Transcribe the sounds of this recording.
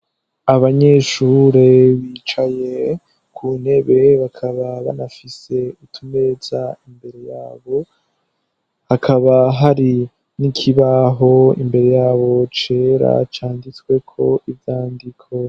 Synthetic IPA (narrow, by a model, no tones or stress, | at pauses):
aβaɲe̞ːʃuːɾeβiːt͡ʃaje̞ | kʰun̥he̞βe̞βakʰaβaβa̰nafise̞utʰumezaimbe̞ɾe̞jaːβo̞ | hakʰaβaɦaɾi | nikʰiβaɦo̞ḭmbe̞ɾe̞jaːβo̞t͡ʃeɾa̰t͡ʃaːndit͡skwe̞kʰo̞ʔivjaːndikʰo̞